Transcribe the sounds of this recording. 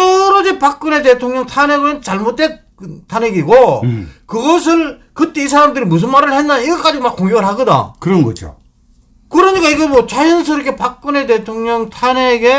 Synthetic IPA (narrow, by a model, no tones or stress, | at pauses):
tʌɾʌd͡ʑipak̚k͈ɯne̞t̬e̞tʰoŋɲʌŋtʰaneɡɯɾɯnt͡ɕaɭmot͈e | ktʰaneɡiɡokɯɡʌs̬ʰɯɭkɯt͈e̞isʰaɾamdɯɾimus̬ʰɯnmaɾɯɭhendaniɡʌk͈ad͡ʑiɡomakːoŋɡjoɣɯɭhaɡɯda̰kɯɾʌnɡʌd͡ʑo̰ | kɯɾʌɲik͈aiɡemwʌt͡ɕajɯns̬ʰɯɾokʰepak̚k͈ɯne̞t̬e̞tʰoŋɲʌŋtʰaneɡe̞